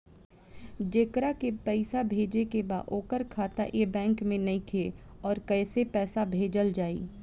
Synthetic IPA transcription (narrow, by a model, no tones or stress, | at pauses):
d͡ʒeːkɾakepɛɪsabʱeːd͡ʒekeba̰ːʔoːkəɾkʰaːt̪a̰ʔebɛ̃ːŋkmẽnɐɦĩkʰeɔːɾkɛːsepɛːsabʱeːd͡ʒəld͡ʒaːḭː